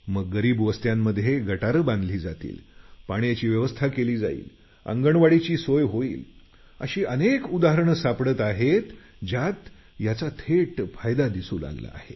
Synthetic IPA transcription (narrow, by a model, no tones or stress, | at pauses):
məɡːəɾiːbʋəst̪jamːəd̪ʱjeɡəʈaɾəbãnd̪liːd͡zat̪ḭːlpaɳ̃jat͡ɕiːʋjəʋəst̪ʰakeliːd͡za̰ḭːl | ə̰ŋɡəɳʋaɽit͡ɕiːsojɦoḭːl | ə̰ɕiːʔənekud̪aɦəɾɳsapɽət̪aɦet̪ | d͡ʑat̪ | jat͡sat̪ʰeʈfajd̪ad̪isuːla̰ɡla̰ːhe